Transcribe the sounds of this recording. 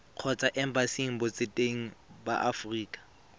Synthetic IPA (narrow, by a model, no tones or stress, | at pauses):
q͡χʰɔt͡sʼaʔɛm̩basiŋ̩bʊt͡sʼɪtʼeŋ̩ba̰ʔafriːkʼḁ